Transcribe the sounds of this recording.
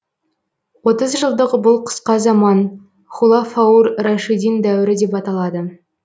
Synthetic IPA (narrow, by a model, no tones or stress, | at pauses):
wo̞t̪əzʒəlˠd̪əʁəbʊlˠqʰə̥sqɑzɑmɑn | χulˠɑfɑurːaʃid̪ind̪æwɪɾɪd̪e̞pɑt̪ɑlˠɑd̪ə